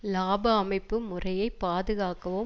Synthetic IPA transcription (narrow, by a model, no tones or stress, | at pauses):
laːbɐːmɐɪpːɯmʊrɐjɐɪpːaːðɯɣaːkɐʋo